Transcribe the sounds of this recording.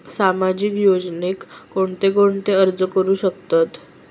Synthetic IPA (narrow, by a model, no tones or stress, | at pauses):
samad͡ʑikjod͡znekːoɳt̪ekoɳt̪eəɾd͡zəkəɾuːɕəkt̪at̪